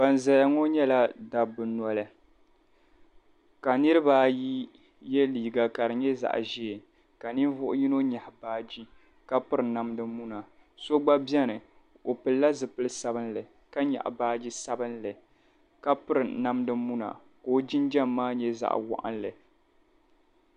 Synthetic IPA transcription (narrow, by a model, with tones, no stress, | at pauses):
ba˨n˨za˨ja˦ŋo˦ɲɛ˦la˦da˨bɨ˨nɔ˦lɨ˨ | ka˨nɨ˦ɾɨ˦baː˦ji˦ | jɛ˦liː˨ɡa˨ka˨ɾɨ˨ɲɛ˦za̰˨ʔʒe˦˨ | ka˨ni˦vʊ˦ʔʊ̰˦ji˦no˦ɲa˨hbaː˦d͡ʒi˦ | ka˦pɨ˦ɾɨ˨na˦mdɨ˦mu˦na˨ | so˦ɡ͡ba˦bjɛ˦nɨ˨ | o˨pɨ˨lla˦zɨ˨pɨ˦lɨ˦sa˦bɨ˦nlɨ˨ | ka˦ɲa̰˨ʔbaː˦d͡ʒi˦sa˦bɨ˦nlɨ˨ | ka˦pɨ˦ɾɨ˨na˦mdɨ˦mu˦na̰˨ | koː˦d͡ʒi˦nd͡ʒɛ˦mːaː˦ɲɛ˦za̰˨ʔwa̰˨ʔa̰˦nlɨ˨